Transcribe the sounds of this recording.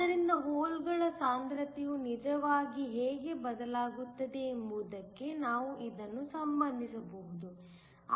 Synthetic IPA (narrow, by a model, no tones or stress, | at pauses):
ɐɾindɐɦoːlɡɐɭɐsaːnd̪ɾɐt̪ijunid͡ʒɐʋaːɡiɦeːɡe̞bɐd̪ɐlaːɡut̪ːɐd̪e̞ːmbuːd̪ɐkːe̞naːʋuʔid̪ɐnːusɐmbɐnd̪ʱisɐbɐɦud̪u